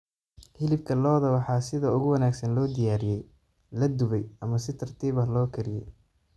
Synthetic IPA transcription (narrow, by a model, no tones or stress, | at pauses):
hɪlɪb̚kʰɐlɔːðɐwɑħɑːsɪðɐʊɣʊwɐnaːɡsɐnlɔːd̪ɪjaːɾɪjɛj | lɐd̪ʊβɛjɐmɐsɪt̪ʰɐrt̪ʰiːβɐɦlɔːkʰɐɾɪjɛ̰j